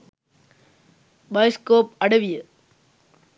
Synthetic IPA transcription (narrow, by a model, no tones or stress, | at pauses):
bɐjskoːp̚ɐɽɐʋɪjɐ